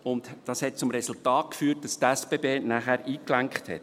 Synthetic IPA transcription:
ʊntd̥ɑshɛt̚t͡sʊmɾɛsʊltɑːt̚kfyːt̚d̥ɑst̪ɛsb̥eːbeːnæːχæːɾiːklæŋkχthɛ̰t̚

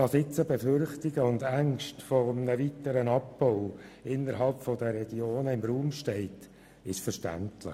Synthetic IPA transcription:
ɑsɪt͡səbɛfʏɾχtɪɡəʊnd̪æŋʃtfɔmnəvitəɾənɑpːɔʊɪnːəɾɦɑlpfɔd̪əɾɛɡ̥ioːnəɪmɾuːmʃtɛɪt | ɪʃfəɾʃtæ̰ntlɪ̰χ

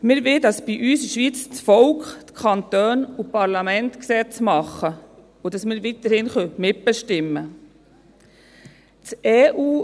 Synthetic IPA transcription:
mɪːɾvɪdɑsb̥iʔyːsəʃʋit͡st͡sfɔlkχtkʰɑnt̪øːnupɑɾlɑmɛnt̪ksɛt͡smɑχːə | ʊdɑsmɪːɾvit̪əɾhɪnχœmɪt̚b̥ɛʃtɪmːə | t͡seːʔuː

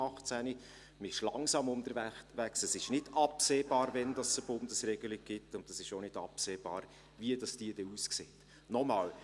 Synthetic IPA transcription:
ɑχt͡sæni | məɪʃlɑ̰ŋsɑːmʊndəɾvæʋæksəsɪʃnɪdɑpseːb̥ɑːɾvɛnd̥ɑsəb̥ʊnd̥əsrɛɡəlɪɡ̚ɡ̥ɪtːʊndɑsɪʃonɪdɑ̰pseːb̥ɑ̰ːɾ | viəd̥ɑsd̥iəd̥ɛuskseːt | nɔmɑːl

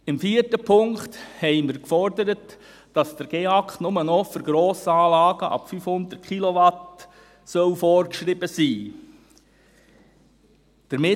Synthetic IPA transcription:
ɪmfiːəɾtəpʰʊŋkthɛɪmɪɾkfɔɾdəɾət | d̥ɑsd̥̪əɾɡ̥eɑkχnʊmənɔføɾɡ̥ɾoːsəɑːlɑːɡəʔɑ̰pfyfhʊnd̪ərt̚kʰilɔʋɑt | sœlfɔɾkʃɾɪbəsiː | d̥əɾmɪ

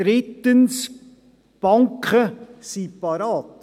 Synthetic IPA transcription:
ɾɪt̪əns | b̥ɑŋkʰχəsipɑɾɑːt̪

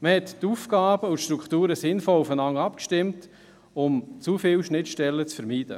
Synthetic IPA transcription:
məhɛttuːfɡ̥ɑːb̥əutʃtɾukχtuːɾəsɪnfɔlufənɑŋːɑpkʃtɪmt | ʊmt͡sufɪlʃnɪtʃtɛlːət͡sfəɾmiːd̥ə̰

